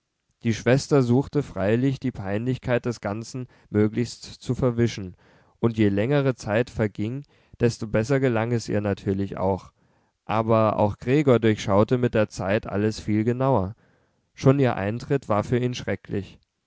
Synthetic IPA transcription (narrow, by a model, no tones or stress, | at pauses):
d̥iːʃv̥ɛstɐzuːxtəfʁ̥aɪlɪçd̥iːpʰaɪnlɪçkʰaɪt̚d̥ɛsɡ̥ant͡sn̩ | møːklɪçstt͡sufɛɐvɪʃn̩ | ʔʊntjeːlɛŋəʁ̞ət͡saɪtfɛɐɡɪŋ | d̥ɛstobɛsɐɡəlaŋɛsʔḭːɐnatʰyːɐlɪça̰ʊx | ʔaːbɐʔa̰ʊxɡ̥ʁeːɡoːɐdʊɐçʃaʊtəmɪt̚d̥eːɐt͡saɪtʔa̰ləsfiːlɡənaʊɐ | ʃoːniːɐʔa̰ɪntʁ̥ɪtv̥aːɐfyːɐiːnʃʁ̥ɛklɪç